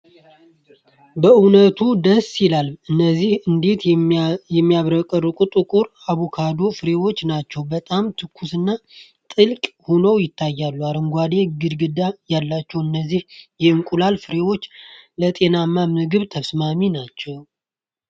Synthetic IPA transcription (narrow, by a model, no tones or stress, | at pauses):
bəunət̪ʰud̪əsːjɪlalɨnːəzːihɨnd̪et̪jɛmːijaβɾəkʼərːɨkʼut̪ʼɨkʼuɾ | aβukʰad̪o̞fɨɾe̞wo̞t͡ʃːnat͡ʃːɛwbət̪ʼamt̪ʰɨkʰːusɨnːa | t̪ʼɨlkʼhonəwjɪt̪ʰːajːalːuaɾɨŋɡʷad̪e̞ɡɨd̪ɡɨd̪ajalːat͡ʃːɛwɨnːəzːihjɛɨŋkʼulalfɨɾe̞wo̞t͡ʃːlət̪ʼe̞namːamɨɡɨβt̪ʰəsmaminat͡ʃːɛw